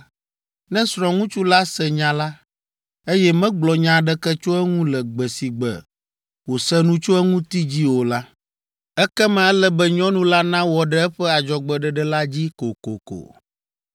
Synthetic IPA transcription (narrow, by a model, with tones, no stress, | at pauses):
nɛ̃˦sɾɔ̃˨ŋũ˦t͡ʃu˦la˦sɛ˨ɲã˨la˦ | e˦jɛ˦mɛ̃˦ɡ͡blɔ˨ɲã˨ɖɛ˦kɛ˦t͡ʃo˦ɛ˦ŋũ˦lɛ˨ɡ͡bɛ˨si˨ɡ͡bɛ̰˨ | wo˨sɛ˦nũ˦t͡ʃo˦ɛ˦ŋũ˦t̪i˦d͡ʑi˦wo˨la˦ | ɛ˦kɛ˦mã˨ɛ˦lɛ˦bɛ˦ɲɔ̃˦nũ˦la˦nã˦wɔ˨ɖɛ˦ɛ˦ɸɛ˦a˨d͡ʒɔ˨ɡ͡bɛ˨ɖɛ˨ɖɛ˦la˦d͡ʑi˦ko˨ko̰˨ko̰˨